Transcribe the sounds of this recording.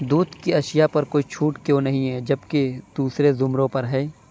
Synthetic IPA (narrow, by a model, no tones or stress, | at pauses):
d̪uːd̪kiɐʃjapɐɾkoːit͡ʃʰuːʈkjõnɐɦĩɦɛːd͡ʒɐbked̪̥uːsɾezʊmɾõpɐɾɦɛː